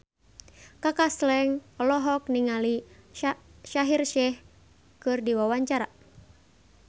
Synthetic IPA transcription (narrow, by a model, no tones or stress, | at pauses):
kakaslɛŋɔlɔɦɔk̚niŋali | ʃaɦirʃɛh | kɨrdiwawaɲt͡ʃaɾa